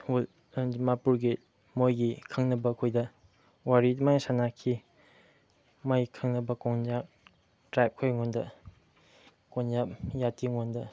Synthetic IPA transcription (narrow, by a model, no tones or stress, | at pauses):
ul | d͡ʒimapuɾɡi | mojɡikʰɐŋnɐbɐɐkʰojdɐ | waɾitmajsanakʰi | majkʰɐŋnɐbɐkɔŋzap̚ | tɾajp̚kʰojŋondɐ | konzapjatiŋondɐ